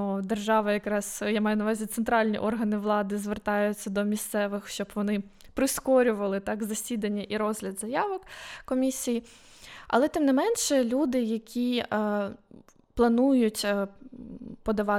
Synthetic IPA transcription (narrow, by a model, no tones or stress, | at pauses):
d̪erʒɑʋɐjɐkɾɑsjamɑjʊnɐʋɑzʲit̪sent̪ɾɑlʲnʲḭʔɔrɦɐnɪʋlˠɑd̪ɪzʋert̪ɑjʊt͡sʲːɐd̪ɔmʲist̪sɛʋɪxʃt͡ʃɔbʋɔnɪpɾɪskɔɾʲʊʋɐlˠɪt̪ɑkzɐsʲid̪ɐnʲːɐʔiɾɔzɦlʲɐd̪zɐjɑʋɔkkɔmʲisʲiji | ɐ̰lˠɛt̪ɪmnɪmɛnʃɛlʲud̪ɪjɐkʲi | plˠɐnujʊtʲ | pɔd̪ɐʋɑ